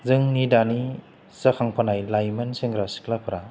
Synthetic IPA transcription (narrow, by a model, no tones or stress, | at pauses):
zɯŋnidani | sɐkʰaŋpʰanajlajmɐnsɯŋɾasi̥klapʰɯɾa